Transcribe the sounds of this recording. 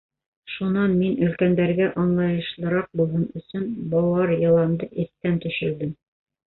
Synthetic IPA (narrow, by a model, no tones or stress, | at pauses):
ʃunɑnminɵ̆lkænd̪æɾɡæʔɑnlˠɑjɤ̆ʃlˠɤ̆ɾɑq̚bulˠɦɤnɵ̆sɵnbɑwɑɾjɤ̆lˠɑnd̪ɤʔɘθt̪ːænt̪ɵ̆ʃɘ̆ld̪ɘm